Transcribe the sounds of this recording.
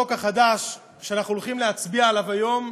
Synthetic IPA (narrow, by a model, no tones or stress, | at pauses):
okaχad̪aʃ | ʃeanaχnulχimleat͡sbiaelavajo̞m